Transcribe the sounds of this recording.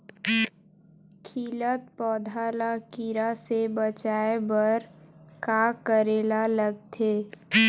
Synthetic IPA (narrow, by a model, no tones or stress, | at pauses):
kʰiːlət̪̚pɔːd̪ʱaːlakiɾasebət͡ʃaːebəɾkakəɾeːlaləɡt̪ʰeː